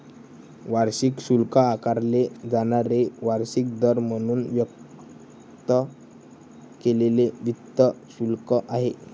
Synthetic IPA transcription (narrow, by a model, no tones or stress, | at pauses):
ʋaɾɕikɕulkəakaɾled͡zaɽ̃aɾeʋaɾɕik̚d̪əɾm̤əɽ̃uːnʋjək̚ | t̪ə | keleleʋit̪ːəsulkəʔaɦe